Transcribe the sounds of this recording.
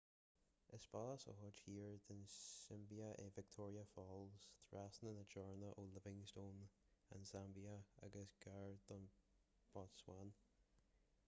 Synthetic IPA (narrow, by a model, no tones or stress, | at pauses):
əspaləsɔ̰hʊd͡ʒhiːɹd̪ɪnsɪmbiəʔevɪk̚tʰɔːɹiəfɔlˠz̥t̪ʰɹasnənəd͡ʒɔɹnəʔolɪvɪ̃ŋstoːn | a̰nsambiəa̰ɡəsɡ̥aɹd̪ɔn | b̥ɔtswan